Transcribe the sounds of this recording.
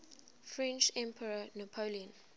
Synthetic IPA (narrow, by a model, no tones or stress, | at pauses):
fɹɛ̃nt͡ʃɛ̃mpʰəɹənupʰoliə̃n